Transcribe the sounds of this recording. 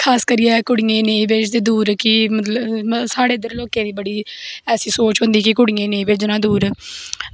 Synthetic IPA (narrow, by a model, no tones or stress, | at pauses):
kʰaːskəɾiːɛːkʊɽɪjẽːneːiʋɪt͡ʃd̪eːd̪uːɾkɪmət̪ləbsaːɽeːd̪əɾloːkẽːd̪iːbəɽiːɛːsiːsoːt͡ʃɦʊ̃nd̪iːkɪkʊɽɪjẽːneːiːʋɪt͡ʃd͡ʒɪnãːd̪uːɾ